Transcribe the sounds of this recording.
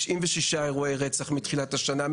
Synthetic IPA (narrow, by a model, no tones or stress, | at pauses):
ʃʔimveʃiʃaeʁuejʁet͡saχmitχilathaʃana